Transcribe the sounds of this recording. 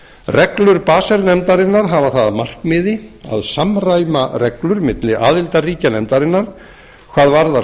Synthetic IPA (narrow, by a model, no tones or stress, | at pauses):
rɛklʏɾpaːsɛlnɛmt̪aɾɪnːaɾɦavaθaðmar̥kmɪðɪa̰ðsamraːjmarɛklʏɾmɪt̪lɪʔaːðɪlt̪ariːcanɛmt̪aɾɪnːaɾ̥ | kʰvaːðvaɾða